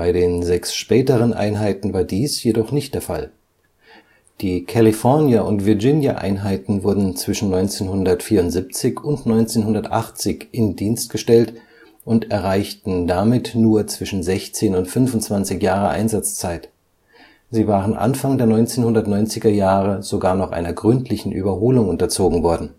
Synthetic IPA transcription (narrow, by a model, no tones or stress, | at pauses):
b̥aɪdeːnzɛksʃpɛːtəʁ̞ənʔa̰ɪnɦaɪtn̩vaːɐdiːsjedɔχnɪçt̚d̥eːɐfa̰l | d̥iːkʰalifɔɐnjaʔʊntv̥ɪɐd͡ʒɪnjaʔa̰ɪnɦaɪtn̩vʊɐdn̩t͡sv̥ɪʃn̩nɔʏnt͡seːnhʊndɐtfiːɐʊntz̥ip̚t͡sɪçʊntnɔʏnt͡seːnɦʊndɐtʔa̰χt͡sɪçʔɪndiːnst̚ɡ̥əʃtɛlt | ʔʊntɛɐʁ̞aɪçtn̩damɪtnuːɐt͡sv̥ɪʃn̩zɛçt͡seːnʊntfʏnvʊntt͡sv̥ant͡sɪçjaːʁəʔa̰ɪnzat͡st͡saɪt | ziːvaːʁənʔa̰nfaŋdeːɐnɔʏnt͡seːnhʊndɐtnɔʏnt͡sɪɡɐjaːʁəz̥oɡaːɐnɔχʔa̰ɪnɐɡʁʏntʰlɪçn̩ʔy̰ːbɐɦoːlʊŋʊntɐt͡soːɡŋ̩vɔɐdn̩